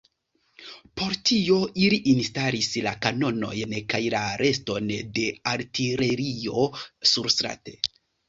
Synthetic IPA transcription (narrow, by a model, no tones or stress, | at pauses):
po̞ɾtio̞ʔiliʔinstalislakano̞no̞̰jnkajlaɾe̞sto̞nde̞aɾtiɾe̞ɾio̞suɾstɾa̰te̞